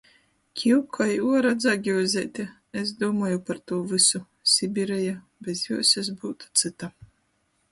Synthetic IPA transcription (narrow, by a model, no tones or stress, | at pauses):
kʲʰiwkʰɔjiuɔɾad̪zaɡʲizʲɛːt̪ʲɛ | esd̪uɔmaːjupaɾt̪uːvɨsu | sʲibʲiɾɛja | bʲɛzjuɔsɛz̬buːt̪u̥t̪sɨt̪a